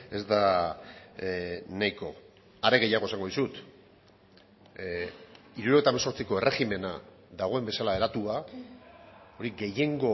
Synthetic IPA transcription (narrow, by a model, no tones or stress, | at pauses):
e̞zd̪a | najko̞ | aɾe̞ɣe̞jaɣ̞o̞saŋɡo̞ðisut̪ | iɾuɾoet̪amaso̞ɾt͡siko̞e̞re̞xime̞na | ðaɣ̞o̞embesalae̞ɾat̪ua | o̞ɾiɡe̞je̞ŋɡo̞